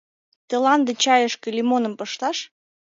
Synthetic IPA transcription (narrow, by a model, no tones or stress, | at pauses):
t̪ĕlɑnd̪ə̆t͡ɕɑjəʃkə̆lʲimonə̆mpɤʃt̪ɑʃ